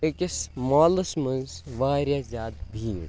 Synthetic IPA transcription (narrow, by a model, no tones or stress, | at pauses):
ekʲismɔːlɐsmɐnzʋaːɾjaːzʲaːt̪bʱiːn